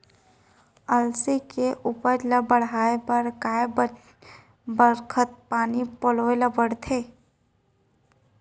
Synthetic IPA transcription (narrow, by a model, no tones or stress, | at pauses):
əlsikeʔuːpəɾləbəɽaːebəɾkaːe | bəɾkʰət̪̚paːnipoloeləbəɽt̪ʰeː